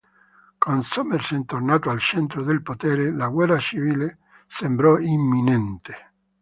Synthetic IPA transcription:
konsomersent̪ornaːt̪oalt͡ʃɛnt̪ɾod̪elpot̪ɛːɾelaɡwɛrrat͡ʃiviːle | sembɾɔimːinɛnt̪e̥

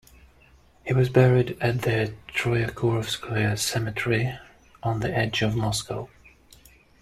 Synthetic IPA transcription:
hiwʌzbɛɹiɾɨt̪̚ðɨtʰɹ̥ɔɪɨkʰɔɹfskʰwɛsɛmɨtʰɛɹi | ʔə̃nðiʔɛd͡ʒʌvmɔskʰəʊ

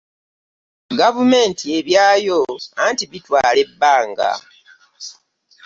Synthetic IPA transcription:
ɡavume̞ːntʰie̞βjaːjoantiβitwaːle̞bːaːŋɡa̰

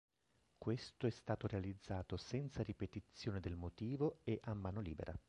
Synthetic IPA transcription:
kwest̪oɛst̪aːt̪oɾealid̪zːaːt̪osɛnt̪saɾipet̪it̪sːjoːned̪elmot̪iːvoeʔamːaːnoliːbḛɾʔa̰

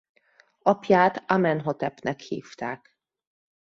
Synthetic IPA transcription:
ɒpjaːt̪amɛnɦot̪ɛpnɛkhḭːft̪aːk

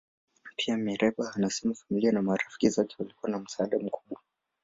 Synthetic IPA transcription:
pʰiamiɾɛɓaanasɛmafamilianamaɾafi̥kizɔkɛ̥walikuwanam̩saaɗam̩kʰuɓwa

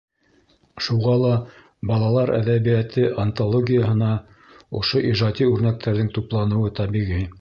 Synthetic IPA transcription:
ʃuʁɑlˠɑ | bɑlˠɑlˠɑɾʔæ̰ðæβijæt̪ʰɘʔɐnt̪olˠoɡʲijəɦɤ̆nɑ | ŏ̰ʃoʔiʒɑd̪ʲiʉɾnæk̚t̪ʰæɾðɘŋt̪uplˠɑnɤ̆wɤt̪ɑβiʁi

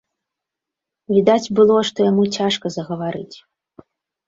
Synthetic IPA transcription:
vʲid̪ad͡zʲbɨlˠɔʂt̪ɔjamut͡sʲaʂkɐzɐɣɐvaɾɨt͡sʲ

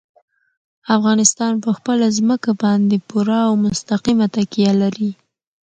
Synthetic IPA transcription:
afɣɑnɪst̪ɑnpəxpəlazməkabɑnd̪epuɾaːwmʊst̪aqimat̪akijalaɾi

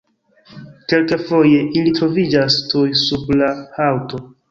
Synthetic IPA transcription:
ke̞lkefo̞je̞ʔilitɾo̞vid͡ʒastujsublahawto̞

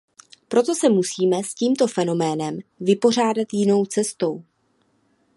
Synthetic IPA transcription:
pɾo̞t̪o̞sɛmusiːmɛsciːmt̪o̞fɛno̞mɛːnɛmvɪpo̞r̝aːdat̪jɪno̞wt͡sɛst̪o̞w

